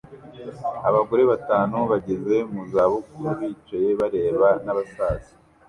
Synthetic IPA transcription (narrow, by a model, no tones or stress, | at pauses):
aβaɡo̞ɾe̞βataːnuβaɟeze̞muzaβukujaβiːt͡ʃaje̞βaɾe̞ːβanaβasaːzi̥